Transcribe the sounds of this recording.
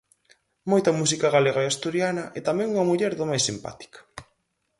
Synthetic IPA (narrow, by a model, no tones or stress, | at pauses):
mojt̪ɐmus̬ikɐɣaleɣaeast̪uɾjanɐʔɛt̪amɛ̃ŋuŋɐmuʎɛɾðomajsimpa̰t̪i̥kḁ